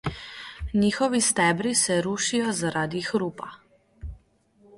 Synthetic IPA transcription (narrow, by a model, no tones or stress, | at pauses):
niːxɔʋist̪ɛːbɾisɛɾuːʃijɔzaɾaːd̪ixɾuːpa